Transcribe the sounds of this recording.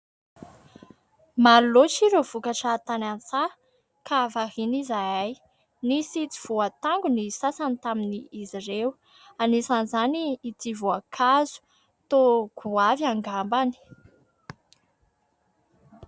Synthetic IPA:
malot͡ʃiɾov̥ukaʈ͡ʂat̪anant͡sa | kavaɦinizajaj | nisit͡si̥v̥uat̪aŋɡunisasanit̪aminiːzirew | anisanizaniːt̪ivuakʰazu̥ | t̪oɡ̥uaviaŋɡambani̥

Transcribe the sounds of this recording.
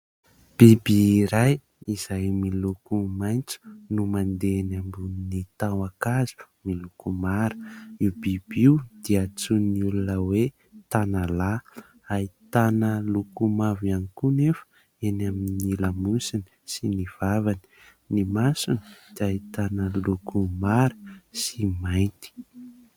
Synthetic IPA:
b̥ibiɾaj | iz̥ajmilukumajnt͡su̥numand̪enambunnit̪awakazu̥milukumaɾə̥iwb̥ib̥iud̪̥iat͡sunniulunəwe | t̪anala | ait̪anəlukumavanikunefə̥ | enaminilamusini̥siniv̥avani̥ | nimasunid̪̥iait̪anəlukumaɾəsimajnt̪i̥

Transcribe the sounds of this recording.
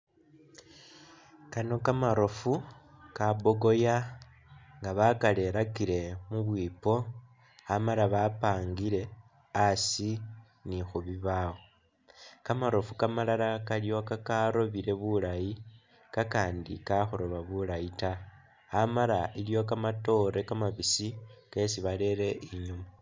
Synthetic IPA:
kano̞kamaɾo̞fukabo̞ɡo̞ja | ŋɡaβakale̞ɾakiɾe̞muβwiːpo̞ | amaɾaβapaːŋɡiɾe̞ | asi | nixuβiβawo̞ | kamaɾo̞fukamalalakaljo̞kakaɾo̞βiɾe̞βulaji | kakaːndḭkaxoɾo̞βaβulajita | amaɾailjo̞kamato̞ɾe̞kamaβisike̞siβale̞ɾe̞ʔiɲumu

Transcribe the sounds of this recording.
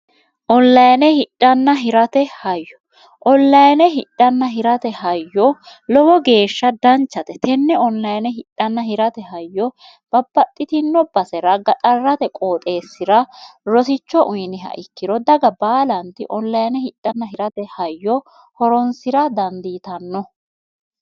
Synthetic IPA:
ʔɔlːɐjnɛhɪɗʼːɐnːɐɦɪɾɐt̪ɛhɐjːɔ̥ | ʔɔlːɐjnɛɦɪɗːɐnːɐɦɪɾɐt̪ɛhɐjːɔlɔwɔɡe̞ːʃːɐd̪ɐnt͡ʃːɐt̪ɛt̪ɛnːɛɔnːɐjnɛɦɪᶑɐnːɐhɪɾɐt̪ɛɦɐjːɔ | b̥ɐb̥ːɐt̪ʼːɪt̪ɪnːɔb̥ɐsɛɾɐɡɐt̪ʼɐrːɐt̪ɛkʼoːt̪ʼe̞ːsːɪɾɐɾɔsɪt͡ʃːɔʔʊjɪnɪɦɐ̰ʔɪkːɪɾɔd̪ɐɡɐbaːlɐnt̪ɪ̰ʔɔlːɐjnɛhɪɗ̥ːɐnːɐɦɪɾɐt̪ɛhɐjːɔ | hɔɾɔnsɪɾɐd̪ɐnd̪iːt̪ɐnːɔ

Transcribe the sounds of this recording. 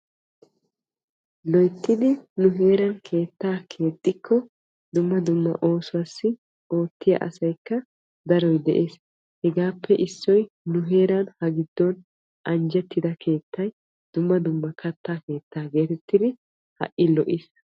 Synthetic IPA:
lɔjt̪ːɪd̪ɪnʊɦe̞ːɾɐnkʰe̞ːt̪ːaːkʰe̞ːt̪ʼːɪkʰːɔ | d̪ʊmːɐd̪ʊmːɐ̰ʔo̞ːsʊwaːsːɪ | o̞ːt̪ːɪjɐ̰ʔɐ̰sɐjkːɐ | d̪ɐɾɔjd̪ɛʔe̞ːs | hɛɡaːpːɛʔɪsːɔj | nʊɦe̞ːɾɐnhɐɡɪd̪ːɔn | ʔɐnd͡ʒɛt̪ːɪd̪ɐkʰe̞ːt̪ʰːɐj | d̪̥ʊmːɐd̪ʊmːɐkʰɐt̪ːaːke̞ːt̪ʰːaːɡe̞ːt̪ɛt̪ːɪd̪ɪ | hɐ̰ʔʔɪlɔʔis

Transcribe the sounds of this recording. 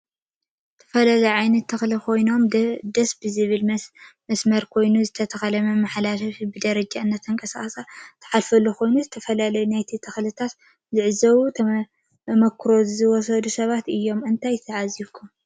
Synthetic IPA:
zɨt̪ʰɐ̥fɐlalɐjʕajnɐt̪ʰːɨxlikʰo̞jno̞md̪ɐsbɨzɨβɨlmmɐsmɐɾkʰo̞jnuzɨt̪ʰɐt̪ʰɐxɐlɐmɐmaħlalɐfibɨd̪ɐɾɐd͡ʒaɨnːɐt̪ʰɨŋkʼɐsaχɐsat̪ʰɐ̥ħalfɐlːukʰo̞jnuzɨt̪ʰɐfɐlalɐjunajt̪ʰit̪ʰɨxlɨt̪ʰat̪ | zɨʕɨzɐwut̪ʰ | mɐkʰːɨɾo̞zɨzɨwɔs̬ɐd̪usɐβat̪ɨjːo̞mɨnt̪ʰajt̪ʰɐʕaziβkʰum

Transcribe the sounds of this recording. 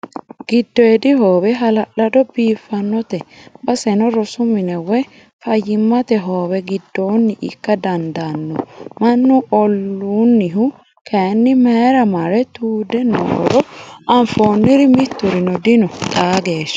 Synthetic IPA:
ɡ̥ɪd̪ːɔɛd̪ɪhoːwɛɦɐlɐʔlɐd̪ɔbiːfːɐnːɔt̪ɛbɐsɛnɔɾɔsʊmɪnɛwɛ | fɐjːɪmːɐt̪ɛɦoːwɛɡɪd̪ːoːnːɪʔɪ̰kːɐd̪ɐnd̪anːɔmɐnːuɔlːuːnːɪɦʊ | kʰɐnːɪmeːɾɐmɐɾɛt̪uːd̪ɛno̰ːɾɔɐɱfoːnːɪɾɪmɪt̪ːʊɾɪnɔd̪ɪnɔt̪ʼaːɡe̞ːʃɐ̥

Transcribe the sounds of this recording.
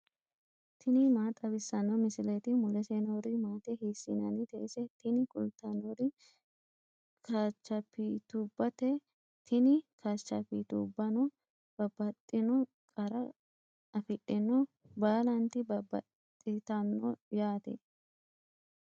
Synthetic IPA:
t̪ʰɪnɪmaːt̪ʼɐbɪsːɐnːɔmɪsɪlet̪ɪmʊlɛsenoɾɪmaːt̪ɛhiːsːinɐ̰nɪt̪ḛʔsɛt̪ɪnɪkʼʊlt̪ːɐnɔɾɪ | kʰaːt͡ʃːɐpːit̪ubːɐt̪ɛ | t̪ʰɪnɪkʰat͡ʃːɐpit̪ṵbːɐnɔ | b̥ɐbɐt̪ʼːɪnɔ | kʼɐɾɐ | ɐfɪᶑɪnɔ | baːlɐnt̪ɪbɐbɐ̰t̪ʼːɪt̪ɐnːɔjaːt̪ɛ̰

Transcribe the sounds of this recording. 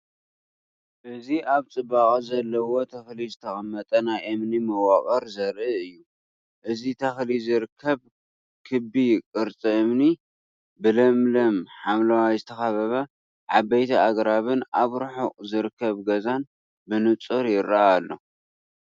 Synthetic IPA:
ʔɨziʔaβt͡sʼɨbaχʼzɐlːɐwo̞t̪ʰɐxlizɨt̪ʰɐxʼɐmːɐt̪ʼɐnajʔɨmnimɐwakʼɐɾzɐɾʔɨɨjːu | ʔɨzit̪ʰɐxlizɨɾɨkʰːɐβ | kʰɨbikʼɨɾt͡sʼiɨmni | bɨlɐmlɐmħamlawazɨt̪ʰɐxɐβɐβɐ | ʕabɐjt̪ʰiaɡɾaβɨnaβɾɨħuʔʼzɨɾɨkʰːɐβɡɐzan | bɨnɨt͡sʼɨɾjɪɾːɐaːlːo

